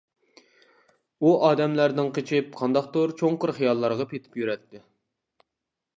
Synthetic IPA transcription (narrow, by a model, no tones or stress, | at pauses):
uʔɑːd̪ɛmlæɾnɪŋqʰet͡ʃʰɪp̚qʰɑnd̪ɑq̚t̪oɾt͡ʃʰoŋqʊɾχijɑlˠːɑɾʁɑpʰet̪ʰɪ̥pjyɾɛt̪ʰːɪ